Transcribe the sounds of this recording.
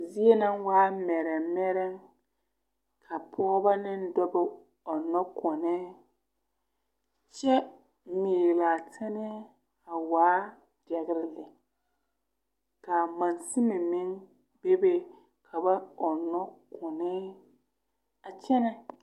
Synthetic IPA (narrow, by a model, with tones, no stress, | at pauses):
zi˦e˦na˦ŋwaː˦mɛ˨ɾɛ˨mɛ˦ɾɛ˦ŋ | kʰa˨pʰɔː˦ba˦nɪ˦n˦dɔ˦bɪ˦ | ɔ˨nɔ˦kɔ˨nɛ˦ | t͡ʃɛ˦ | miː˨la˨tʰɪ˦nɛ˦ | a˨waː˨˦ | dɛ˨ɣɪ˦ɾɪ˦lɪ˨ | ka˨ma˨nsɪ˦mɛ˨mɪ˦ŋ | be˦be˦ | kʰa˨ba˦ɔ˨nːɔ˦kʰɔ˨nɛ˦ | a˨t͡ʃɛ˦nɛ˦